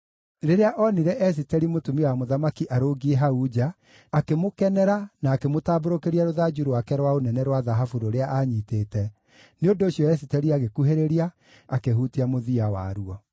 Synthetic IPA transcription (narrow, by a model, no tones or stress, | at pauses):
ɾeɾeaʔɔniɾɛʔɛs̬itɛɾimotumiwamoðamakiʔaɾoɡieɦaud͡ʒaː | kemokɛnɛɾanaːkemotaːboɾokeɾiaɾoðad͡ʒuɾowakɛɾwaonɛnɛɾwaðaɦafuɾoɾeaʔaɲiːteːtɛ | neondoːɕjɔɛs̬itɛɾiaɣekuɦeɾeɾiaː | keɦhutiamoðiawa̰ɾuɔ